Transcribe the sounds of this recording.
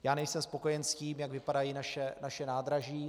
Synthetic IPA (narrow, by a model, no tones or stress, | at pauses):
jaːnɛjsɛmspo̞kojɛnsciːmjaɡvɪpadajiːnaʃɛnaʃɛnaːd̪ɾaʒiː